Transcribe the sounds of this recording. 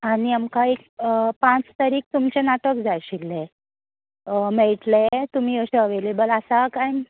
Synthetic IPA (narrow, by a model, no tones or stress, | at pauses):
aɽ̃iamkaekpãt͡st̪aɾiːk̚t̪umt͡ɕenaʈəkd͡zajɕilːe | mɛɭʈlet̪um̤iːəɕeəʋelebəlasakaj